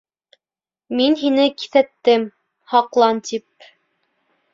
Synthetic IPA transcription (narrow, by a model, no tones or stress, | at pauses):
minɦinɘki̥θæt̪ːɘm | hɑqlˠɑnt̪ip̚